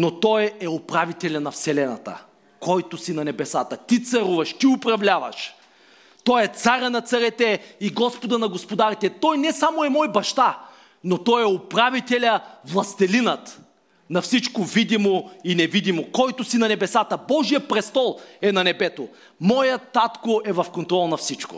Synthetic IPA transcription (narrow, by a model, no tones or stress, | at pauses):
not̪ɔjɛopɾavit̪ɛlʲɐnɐfsɛlɛnɐ̰t̪ə̰ | kɔjt̪ʊsinɐnɛbɛsat̪ət̪it̪sɐɾuvɐʃt̪iʊpɾɐvlʲavɐ̰ʃ | t̪ɔjɛt̪saɾʲənɐt̪sɐɾɛt̪ɛiɡɔspod̪ɐnɐɡospod̪aɾit̪ɛt̪ɔjnɛsamoɛmɔjbɐʃt̪a | not̪ɔjɛopɾavit̪ɛlʲɐvlˠɐst̪ɛlinət̪ | nɐfsit͡ʃkovid̪imoinɛvid̪imokɔjt̪ʊsinɐnɛbɛsat̪əbɔʒijəpɾɛst̪ɔlˠɛnɐnɛbɛt̪o | mɔjət̪at̪koʔɛvɐfkont̪ɾɔlˠnɐfsit͡ʃko̰